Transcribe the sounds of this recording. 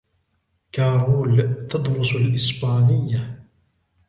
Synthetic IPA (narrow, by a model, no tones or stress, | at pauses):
kaːɾuːlt̪ɑd̪ɾʊsalʔɪsbaːnɪjːa